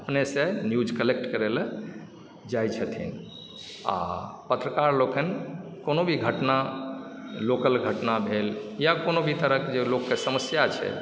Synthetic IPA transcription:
əpnesenjud͡ʒkəlek̚ʈkəɾel | d͡ʒajt͡ʃʰət̪ʰḭn | a̰pət̪ɾəkaɾlokənkonobʱiɡʱəʈna | lokəlɡʱəʈnabʱeljakonobʱit̪əɾəkd͡ʒelokːesəməsjat͡ʃʰɛ̰

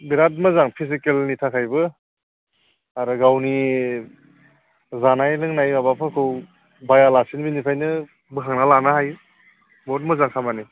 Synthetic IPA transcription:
biɾat̬̚mɯzaŋpʰis̬ikelnitʰakʰajbɯ | aɾɯɡawni | zanajlɯŋnajmabapʰɯkʰɯw | bajalasinbinipʰajnɯ | bɯɦʰaŋnalanahaj | bɔt̚mɯzaŋkʰamani

